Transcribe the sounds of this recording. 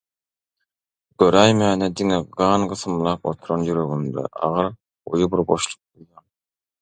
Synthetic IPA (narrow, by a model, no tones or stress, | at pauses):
ɡ̥øɾæjmæːned̪iŋeɡɢɑːnɢɯθɯmlˠɑːq̚ot̪ʰuɾonjyɾøɣynd̪ḛʔɑ̰ʁɯɾ | o̰jubiɾbo̞ʃlˠu̥q̚bulˠjɑːŋ